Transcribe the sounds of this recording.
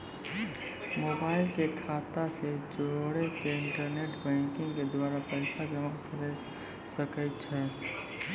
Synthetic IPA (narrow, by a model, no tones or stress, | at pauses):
mobaːɪlkekʰat̪ased͡ʒoɽekeɪɳʈəɾneʈbɛ̃ŋkɪ̃ŋɡked̪waːɾapəɪsad͡ʒəmənkəɾɛ | səkəɪt̪̚t͡ʃʰɛ